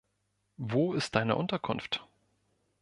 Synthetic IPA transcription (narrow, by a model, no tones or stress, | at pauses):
voːɪst̚d̥aɪnə̰ʔʊntɐkʰʊ̰nft